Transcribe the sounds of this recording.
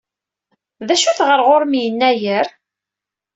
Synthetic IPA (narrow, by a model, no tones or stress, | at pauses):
ðæʃuθʁəɾʁoɾmijənːæjəɾ